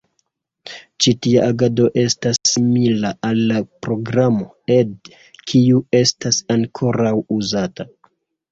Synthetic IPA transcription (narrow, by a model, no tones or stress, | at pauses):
t͡ʃitiaʔaɡado̞ʔe̞stasːimilaalːapɾo̞ɡɾamo̞ | e̞d | kʰiue̞stasaŋkʰo̞ɾawuzata